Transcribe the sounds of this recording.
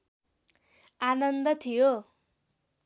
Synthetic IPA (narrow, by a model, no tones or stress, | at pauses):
anʌnd̪ʌt̪ʰijo